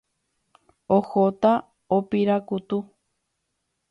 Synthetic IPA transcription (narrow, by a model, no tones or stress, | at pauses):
ohot̪a | opiɾakut̪u